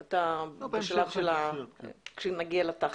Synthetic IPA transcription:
atabeʃalavʃela | kʃenaɡialat̪aχ

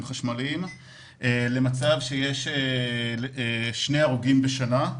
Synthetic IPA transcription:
mχaʃmalim | ʔele̞mat͡savʃeje̞ʃe | ʃneaʁuɡimbeʃana

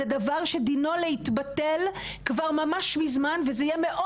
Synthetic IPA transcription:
ɛdavaʁʃe̞d̪ino̞lehit̪batelkvaʁmamaʃmizmanvezeijɛmeʔo

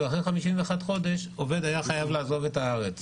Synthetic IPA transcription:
aχeχamiʃimveaxadχo̞d̪e̞ʃo̞ve̞d̪ajaχajavlaːzo̞ve̞taaʁet͡s

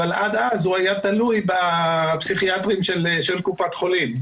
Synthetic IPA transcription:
alʔad̪azhuajat̪alujbapsiχiat̪ʁimʃelʃelkupat̪χo̞lim

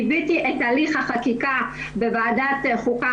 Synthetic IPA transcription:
bitiʔetaliχhaχakika | bevaːdatχuka

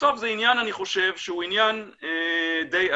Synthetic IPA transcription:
t̪o̞vzeinjananiχo̞ʃe̞vʃehuinjaned̪eja

